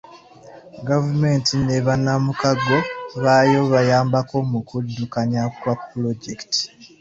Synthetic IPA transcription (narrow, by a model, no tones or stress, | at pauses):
ɡavume̞ntineβanːamukaɡo̞βajo̞βajaːmbako̞mukudːukaɲakwapːloɟekti̥